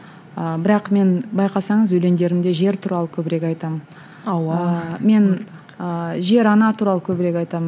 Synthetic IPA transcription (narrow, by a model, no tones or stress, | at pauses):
əbɪɾɑqme̞nbɑjqɑsɑɴəzwɵjle̞nd̪e̞ɾɪmd̪e̞ʒe̞ɾt̪ʰuɾɑlˠəkʲʰɵbɪɾe̞kʲɑjt̪ɑmən | me̞n | əʒe̞ɾɑnɑt̪ʰuɾɑlˠəkʲʰɵbɪɾe̞kʲɑjt̪ɑmən